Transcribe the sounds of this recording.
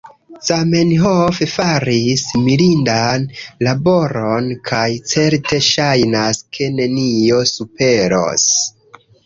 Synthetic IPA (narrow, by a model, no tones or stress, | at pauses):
same̞nɦofefaɾismilindanlabo̞ɾo̞nkʰajt͡se̞ɾte̞ʃajnaskʰe̞ne̞nio̞supe̞ɾo̰s